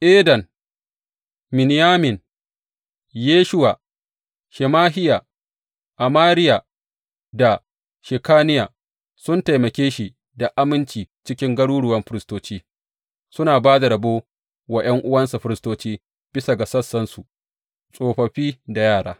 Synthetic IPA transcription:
ʔeː˦dɐ˨n | mɪ˨nɪ˨jaː˦mɪ˨n | jeː˦ʃʊ˦wa˨ | ʃɛ˨maː˦ɦɪ˦ja˨ | ʔa˨maː˦ɾɪ˦ja˨ | da˨ | ʃɪ˨kaː˦nɪ˦jaː˨ | sʊ˦nta˨jmɐ˨kʲeː˦ʃi˨ | da˨ʔa˦mɪ˦nt͡ʃiː˨t͡ʃɪ˦kʲɪ˦ŋɡɐ˦ɽuː˦ɽʊ˨wɐ˦mɸɪ˦ɾɪ˦stoː˦t͡ʃiː˦ | sʊ˦naː˨baː˦da˨ɽɐ˨boː˦ | wa˨j̰ɐ˦ŋʔʊ˦wɐ˦nsa˨ɸɪ˦ɾɪ˦stoː˦t͡ʃiː˦ | b̥ɪ˦sa˨ɡa˨sɐ˦sːɐ˦nsu˨ | sʼoː˨ɸɐ˨ɸiː˦da˨jaː˦˨ɽa̰ː˦

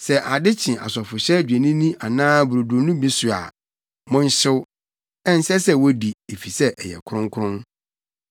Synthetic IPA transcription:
sɛ˨ʔa˨dɪ˦t͡ɕʰɪ̃˨ʔa̰˨sɔ˨fʊ˨ɕɛ˦d͡ʑᶣe˨nĩ˦nĩ˦ʔa˨nãː˦bu˨ɾo˨dʊ˨˦nũ˦bi˦sʊ˨a̰˨ | mɔ̃˦n̩˦ɕɪ˦w | ɛ˦n̩˨˦sɛ˦sɛ˦wo˦di˨e˨fi˨sɛ˦ʔɛ˨jɛ̰˨kʰʊ˦ɾʊ̃˦ŋkʰʊ˦ɾʊ̃˦n

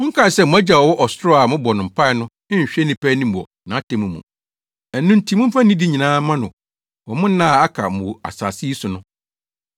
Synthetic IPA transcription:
mʊ̃˦ŋ̩˦kʰa˦˨sɛ˦˨mʊ̃˨˦æ˦d͡ʑa˨wɔ˨wɔ˦ʔɔ˨stɾɔ˦a˨mʊ̃˦bɔ˨nʊ̃˨m̩˨pʰa˦ɪ˨nʊ̃˦ | ɪ̃˦˨ɕᶣɛ˦nɪ̃˨pʰæ˦nĩ˦m˨ɔ̰˨ | nã˨a˦tʰɛ̃˨mũ˨mṵ̃˨ | ɛ˨˦nʊ̃˦n̩˦tʰi˨˦mʊ̃˦m̩˦fã˦nĩ˦di˦ɲĩ˨nãː˦mã˦nʊ̃˨ | wɔ˨mʊ̃˦n̩˦nã˦˨a˦kʰa̰˨m̩˨wʊ˨a̰˨sa̰ː˨si˦i˦sʊ˨nʊ̃˦

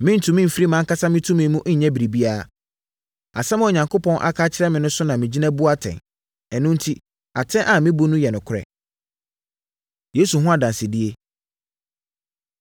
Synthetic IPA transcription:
mɪ̃˦n̩˦tʰũ˨mɪ̃˦m̩˨fɾi˦mã˦kʰa˦sa˦mɪ̃˦tʰũ˦mĩ˨˦mũ˦ʔ̩˦ɲɛ̃˦bi˨ɾi˨bi˦aː˦˨ | a˨sɛ˦m̃˦ɔ˨ɲã˨ŋkʰo˦pʰɔ̃˦nʔa̰˦kʰaː˦t͡ɕʰɪ˦ɾɛ˦mɪ̃˨nʊ̃˦sʊ˦nã˨mɪ̃˨d͡ʑi˦nã˦bu˦a˦tʰɛ̰̃˨n | ɛ˨nːʊ̃˦n̩˦tʰi˦ | a˨tʰɛ̃˦ʔa˨mɪ̃˦bu˦nũ˦jɛ˨nʊ̃˨kʰʊ˦ɾɛ̰˨ | jeː˨˦su˨ɦʊ̃˦a˨dã˨n˨sɪ˨dɪ˦e˦

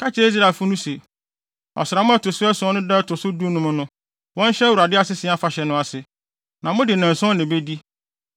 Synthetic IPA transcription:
kʰa˦t͡ɕʰɛ˦e˦s̬ɾa˨fʊ˦nʊ̃˦se˨ | ɔ̰˨sɪ˨ɾa˨mʊ̃˦ɛ˦tʰʊ˨sʊ˦ɛ˦sʊ̃˦nʊ̃˦dɛ˦tʰʊ˨sʊ˦du˦nʊ̃˦mʊ̃˦nʊ̃˦ | wɔ̃˦n˦ɕɛ˦wu˨ɾa˨dɪ˦a˨sɪ˦sɪ̃˨˦a˦fa˨ɕɛ˨nʊ̃˦a˨sɪ˨ | nã˨mʊ̃˦dɪ˨nɪ̃˨n̩˨sɔ̃˦nɪ̃˨be˦di˦

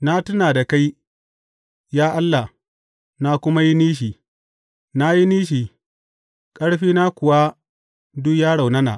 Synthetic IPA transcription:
na˦tʊ˦naː˨da˨ka˦j | jaː˦ʔa˦lːa˨h | na˦kʷʊ˦ma˦ji˦niː˦ʃ̬iː˨ | na˦ji˦niː˦ʃ̬iː˨ | kʼɐ˦ɽɸiː˦na˦kʷʊ˨wa˦ | dʊ˦kjaː˦ɽa˨wnɐ˦na̰˨ʔ

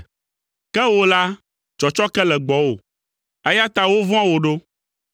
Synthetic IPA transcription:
kɛ˦wo˦la˦ | t͡ʃɔ˨t͡ʃɔ˦kɛ˦lɛ˨ɡ͡bɔ˨wo̰˨ | ɛ˦ja˦t̪a˦wo˦vɔ̃˦ã˦wo˨ɖo˦

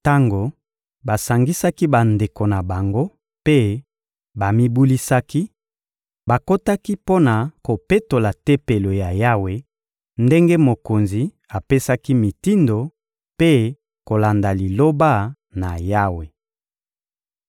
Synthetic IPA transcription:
ta˦ŋɡo˨ | ba˨sa˨ŋɡi˦sa˦ki˦ba˨nde˨ko˨na˨ba˨ŋɡo˦ | pe˦ | ba˨mi˦bu˦li˦sa˦ki˦ | ba˨ko˦ta˦ki˦po˦na˨ko˨pe˦to˨la˨te˦pe˨lo˨ja˨ja˦we˨ | nde˦ŋɡe˦mo˨ko˨nzi˨ | a˨pe˦sa˦ki˦mi˨ti˦ndo˨ | pe˦ | ko˨la˨nda˨li˨lo˦ba˦ | na˨ja˦we˨

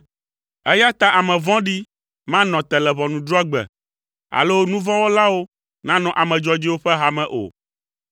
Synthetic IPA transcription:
ɛ˦ja˦t̪ã˦ʔa˨mɛ̃˨vɔ̃˦ɖi˦ | mã˦nɔ̃˨t̪ɛ˨lɛ˨βɔ̃˨nũ˨d̪ɾɔ˦ɡ͡bɛ̰˨ | a̰˨lo˦nũ˦vɔ̃˦wo˦la˦wo˦ | nã˦nɔ̃˨ʔa˨mɛ̃˨d͡ʒɔ˦d͡ʒi˦wo˦ɸɛ˦ɦa˨mɛ̃˨ʔo̰˨

